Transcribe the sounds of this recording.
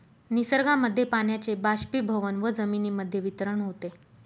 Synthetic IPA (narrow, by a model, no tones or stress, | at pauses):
nisəɾɡaməd̪ʱjepaɳjat͡sebaɕpiːbʱəʋənʋəd͡zəminiːməd̪ʱːjeʋit̪ɾəɳɦot̪e